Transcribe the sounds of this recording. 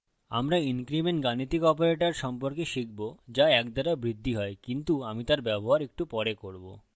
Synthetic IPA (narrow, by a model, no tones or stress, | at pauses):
a̰mɾainkɾimeɳʈɡanit̪ikɔpoɾeʈaɾʃɔmpoɾkeʃik̚bod͡ʑaɛkd̪aɾabɾid̪ʱːiɦɔekint̪uamit̪aɾbɛboɦaɾek̚ʈupɔɾekoɾbo̰